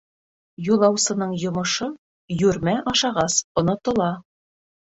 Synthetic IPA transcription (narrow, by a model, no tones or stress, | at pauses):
julˠɑwsɤ̆nɤɴjŏmŏʃɤ | jʉɾmæʔɑʃɑʁɑsŏnŏt̪ŏlˠɑ